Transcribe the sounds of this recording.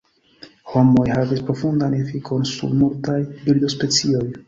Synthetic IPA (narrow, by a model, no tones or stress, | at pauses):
ho̞mo̞jhavispɾo̞fund̪anefikʰo̞nsṵɾmultajbild̪o̞spe̞t͡sio̞j